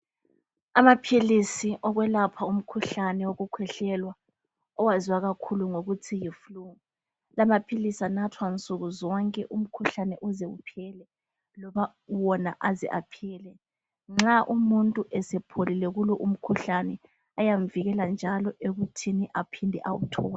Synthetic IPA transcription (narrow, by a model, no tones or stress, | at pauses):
amapʰilisiʔɔɣwɛlapʰaum̩kʰuɬanɛwoɣukʰwɛɬɛlwa | ɔwaziwaɣakʰuluŋoɣutʰijifluŋu | lamapʰilisanatʰwant͡sʼuɣuzɔŋkʼɛʔum̩kʰuɬanɛʔuzɛupʰɛlɛ | lɔβa | wɔnaʔazɛ̰ʔapʰiːlɛ | ŋ͡ǁaʔumuntʼuʔɛsɛpʰolilɛɣulɔʔum̩kʰuɬanɛ | ajaɱviɣɛland͡ʒʱalɔʔeɣutʰiniʔapʰindʱɛʔawutʰɔːla